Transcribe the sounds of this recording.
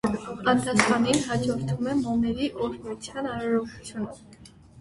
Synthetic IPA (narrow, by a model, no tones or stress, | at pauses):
ɑnt̪ʰɑsχɑninɦɑd͡ʒɔɾt̪ʰumɛmɔnɛɾiʔɔɾnuut͡sʰjɑnɑɾɑɾɔku̥t͡sʰjunə